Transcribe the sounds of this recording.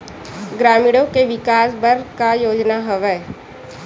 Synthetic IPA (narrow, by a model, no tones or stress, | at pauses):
ɡɾaːmɪɽõkeʋɪkaːsbəɾkajoːd͡ʒnaɦəʋɛ